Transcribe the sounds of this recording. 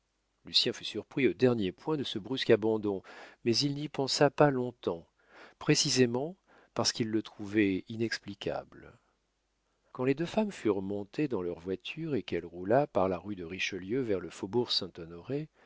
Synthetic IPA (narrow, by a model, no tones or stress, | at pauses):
lysjɛ̃fy̥syʁpχiod̪ɛʁnjepwɛ̃d̪əsəbʁyskabɑ̃d̪ɔ̃mɛzilnipɑ̃sapalɔ̃t̪ɑ̃ | pχesizemɑ̃ | paʁsə̥kilːət̪χuvɛinɛksplikʲa̰bl | kɑ̃led̪øfamfyʁmɔ̃t̪ed̪ɑ̃lœʁvwat̪ʰyʁekɛlʁulapaʁlaʁyd̪əʁiʃəljøvɛʁləfobuʁsɛ̃t̪ɔnɔʁe